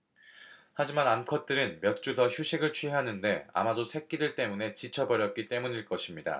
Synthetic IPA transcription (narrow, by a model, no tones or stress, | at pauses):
had͡ʑimanankʰʌt̚t͈ɯɾɯnmjʌt̚t͡ɕ͈utʌçjuɕʰiɡɯɭt͡ɕʰɥiɦanɯnde̞a̰madosʰe̞k͈̚idɯɭt͈e̞mune̞t͡ɕit͡ɕʰʌbʌɾjʌt̚k͈it͈e̞muɲiɭk͈ʌɕʰimɲida̰